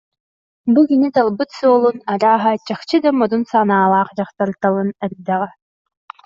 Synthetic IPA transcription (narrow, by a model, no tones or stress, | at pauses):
bukinit̪alˠbɯt̪suɔlˠunaɾaːɦat͡ɕaχt͡ɕɯd̪amɔd̪unsanaːlˠaːχd͡ʑaχt̪aɾt̪alˠɯnɯɾd̪aʁa